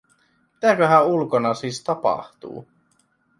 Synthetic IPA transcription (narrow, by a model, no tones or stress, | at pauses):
mit̪ækøɦæulkonɑsiːst̪ɑpɑ̰ht̪ṵː